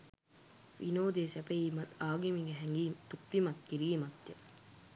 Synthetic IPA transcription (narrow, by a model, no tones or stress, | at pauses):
ʋḭnoːd̪eːsɛpeiːmɐt̪aːɡimiŋɡeɦɛŋɡiːmt̪upːimɐt̪̚kiɾiːmɐt̪ːje